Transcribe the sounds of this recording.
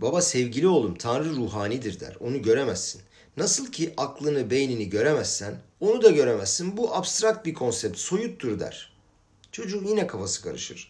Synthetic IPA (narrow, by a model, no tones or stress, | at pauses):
babasɛvɟilʲio̞lˠumt̪ʰanɾɯɾuːɦaːnid̪iɾd̪æ̰ɾo̞nuɟø̞ɾemæsːinː | asɯlˠcʰiʔaklˠɯnɯbe̞jniniɟø̞ɾemæsːæno̞nud̪aɟø̞ɾemæzːinbuʔabst̪ɾak̚t̪̚bikʰo̞nsɛp̚t̪so̞jut̪ʰːuɾd̪æ̰ɾ̥ | t͡ʃʰo̞d͡ʒukjinɛkʰafasɯ̥kʰa̰ɾɯʃɯɾ̥